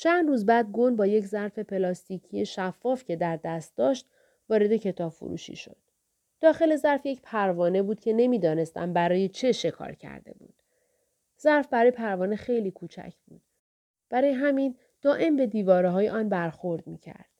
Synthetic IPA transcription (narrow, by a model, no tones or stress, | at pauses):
t͡ʃʰænd̪ruːzbæːd̪̚ɡo̞nbɒːje̞czæɾfe̞pʰe̞lɒːst̪icʰije̞ʃæfːɒːfcʰe̞d̪æɾd̪æst̪̚d̪ɒːʃt̪ | vɒːɾe̞d̪e̞cʰe̞t̪ʰɒːb̥fo̰ɾṵːʃḭʃo̞d̪̥̚ː | ɒːxe̞le̞zæɾfje̞cpʰæɾvɒːne̞buːd̪̥cʰe̞ne̞miːd̪ɒːne̞st̪ʰæ̰mbæɾɒːje̞t͡ʃʰe̞ʃe̞kʰɒ̰ːɾcʰæ̰ɾd̪e̞̰bṵːd̪̥ | zæɾfbæɾɒːjepʰæɾvɒːne̞xe̞jliːkʰuːt͡ʃʰæ̰cʰb̥ṵːd̪̥̚ | b̥æɾɒːjeɦæmin | d̪̥ɒːʔe̞mbe̞d̪iːvɒːɾeɦɒːjeʔɒːnbæɾxo̞ɾd̪miːcʰæ̰ɾd̪̥